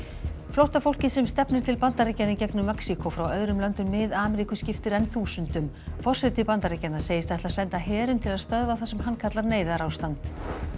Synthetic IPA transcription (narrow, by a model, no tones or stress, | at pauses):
flɔwht̪afowl̥cɪsɛmst̪ɛpnɪɾ̥t̪ʰɪlpant̪aɾecːanɪcɛknʏmːɛksikɔfɾawœðɾʏmlœnt̪ʏnmɪðaːmɛɾikʏscɪft̪ɪɾɛnθuːsʏnt̪ʏm | fɔr̥sɛt̪ːɪpant̪aɾecːanaseːjɪst̪ɛht̪lasɛnt̪aɦɛːɾʏmt̪ʰɪlaðst̪œðvaθasɛmɦanːkʰat̪laɾneːjðaɾawst̪ant̪